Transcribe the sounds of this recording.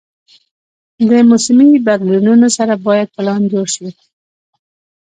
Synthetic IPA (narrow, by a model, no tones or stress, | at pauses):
d̪əmʊsmibad̪lununosaɾabɑjad̪̚pəlɑndoʃi